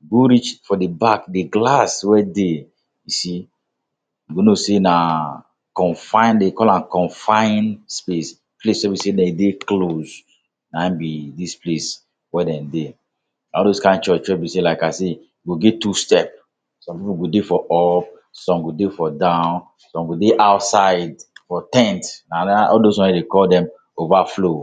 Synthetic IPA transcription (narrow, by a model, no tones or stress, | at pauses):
ɡoɾit͡ʃfɔdebakdeɡlaswɛde | jusi | ɡonosena | kɔ̃nfãɪ̃ndekɔlãnkɔ̃nfãɪ̃nspes | plesɛbisedɛ̃dekloz | nãbidisples | wɛdɛ̃nde | ɔldoskãɪ̃nt͡ʃɔt͡ʃwɛbiselaɪkase | ɡoɡɛtustɛp̚ | sɔ̃mpipuɡodefɔʔɔp̚ | sɔ̃mɡodefɔdãʊ̃n | sɔ̃mɡodeʔaʊtsaɪdfɔtɛ̃ntnaaɔldoswɔ̃nɛdekɔldɛ̃m | ovaflo